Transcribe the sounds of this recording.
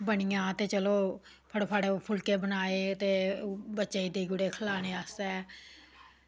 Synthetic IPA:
bəɳɪjãːt̪eːt͡ʃəloː | pʰəɽoːpʰaːɽeːpʰʊlkeːbənaːeːət̪eːbətːʃeːid̪eːɡʊɽeːkʰəlaːñeːaːsɛː

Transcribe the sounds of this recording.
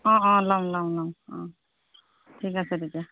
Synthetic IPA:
ɔ̃ɔ̃lɔmlɔmlɔmɔ̃ | tʰikasɛtʰika

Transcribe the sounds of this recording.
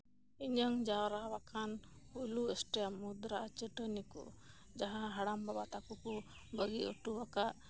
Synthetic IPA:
iɲəŋd͡ʒawɾawakʰanhujluesʈɛamud̪ɾaʔat͡ʃəʈənikṵ | d͡ʒaɦãɦaɽambabat̪akuku | bəɡiəʈuwakaʔ

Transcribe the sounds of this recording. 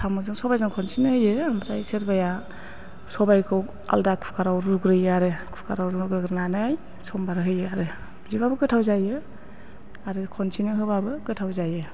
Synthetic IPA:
tʰamɯzɯŋsɔbajzɯŋkʰɔnsʰinɯhɯjɯmbɾajseɾbaja | sɔbajkʰɯw | a̰ldakʰupʰkʰaɾawɾuɡɾɯjɯaɾɯkʰu̥pʰkʰa̰ɾawɾuɡɾɯɡɾnanaj | sɔmbaɾɯɦɯjɯaɾɯ | bizibabɯɡɯtʰawzajɯ | aɾɯkʰɔnsinɯɦɯbabɯɡɯtʰawzajɯ

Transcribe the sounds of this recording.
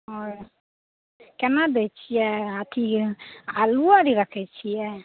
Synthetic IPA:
ɦɔɾ | kɛnad̪ɛt͡ʃʰijɛət̪ʰi | aluaɾiɾəkʰɛt͡ʃʰijɛ

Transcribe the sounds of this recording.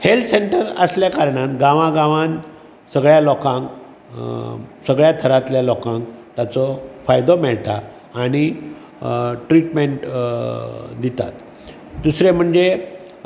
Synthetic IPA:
helt̪seɳʈəɾəsljakaɾɳãt̪ɡãʋãɡãʋan | səɡɭjalɔkãŋk | səɡɭjat̪ʰəɾat̪ljalɔkãŋkt̪at͡sɔfajd̪ɔmɛɭt̪aː | ɽ̃i | ʈɾiʈmeɳʈ | d̪it̪a̰t̪ | d̪usɾem̤əɳd͡ze

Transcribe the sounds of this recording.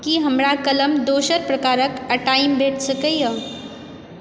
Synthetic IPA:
kiɦɐmɾakɐləmd̪oːʃəɾpɾɐkaːɾəkɐʈaːɪmbʱeːʈʰsəkəjə

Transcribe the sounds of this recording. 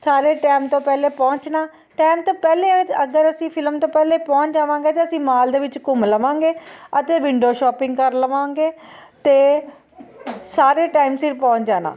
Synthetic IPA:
saːɾeːʈɛːmt̪õːpɛːleːpɔ̃ːɲt͡ʃnaː | ʈaːɪmt̪õːpɛːleːəɡəɾəsĩːpʰɪlmt̪õːpɛːleːpɔ̃ːt͡ʃd͡ʒaːʋãːŋɡeːt̪eːəsĩːmaːld̪eːʋɪt͡ʃkʊmləʋãːŋɡeːət̪eːʋɪɳɖijoːʃɔːpɪ̃ŋɡkəɾləʋãːŋɡeː | t̪eː | saːɾeːʈaːimsɪɾpɔ̃ːɲt͡ʃd͡ʒaːna̰ː

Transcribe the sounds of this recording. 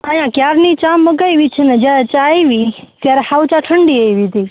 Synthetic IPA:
ajãːkjaːɾnit͡ʃaːmːəɡajʋit͡ʃʰənɐd͡ʒat͡ʃaːiʋit̪jaːɾhawt͡ʃaʈʰəɳɖiəiʋit̪iː

